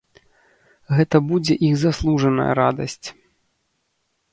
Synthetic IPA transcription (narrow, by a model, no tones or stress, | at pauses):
ɣɛt̪ɐbud͡zʲɛʔiɣzaslˠuʐɐnɐ̰jɐ̰ɾad̪ɐ̰sʲt͡sʲ